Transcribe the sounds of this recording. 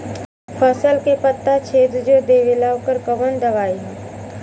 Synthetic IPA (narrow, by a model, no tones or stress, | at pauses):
pʰəsəlkepət̪ːat͡ʃʰeːd̪d͡ʒod̪eːʋɪlaːʋkəɾkəʋənd̪ɐʋaːiɦɛ̃